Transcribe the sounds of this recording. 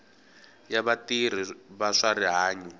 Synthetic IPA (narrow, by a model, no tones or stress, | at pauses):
jaβatir̤iβaʂariɦaːɲu